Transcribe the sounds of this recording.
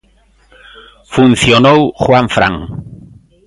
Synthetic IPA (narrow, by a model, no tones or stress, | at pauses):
fun̟θjonowxwaɱfɾa̰ŋ